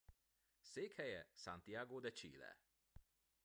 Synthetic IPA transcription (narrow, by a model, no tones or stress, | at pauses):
seːkhɛjɛsant̪iaɡod̪ɛt͡ʃḭːlɛ̰